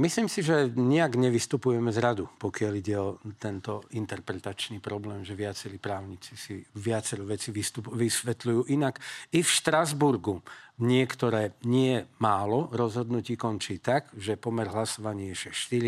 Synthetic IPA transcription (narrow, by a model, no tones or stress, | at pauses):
misliːmsiʒɛɲɛaɡɲɛʋist̪upujɛmɛzɾad̪upɔkɪaliɟɛɔt̪ɛnt̪ɔint̪ɛɾpɾɛt̪at͡ʃniːpɾɔblɛːmʒɛʋɪat͡sɛɾiːpɾaːʊɲit͡sisiʋɪat͡sɛɾɔʋɛt͡siʋist̪upʋisʋɛt̪lujuːʔinakifʃt̪ɾazbuɾɡuɲɪɛkt̪ɔɾɛːɲɪɛmaːlɔɾɔzɦɔd̪nuciːkɔnt͡ʃiːt̪aɡʒɛpɔmɛɾɦlasɔʋaɲɪɛʃɛʃt̪iɾi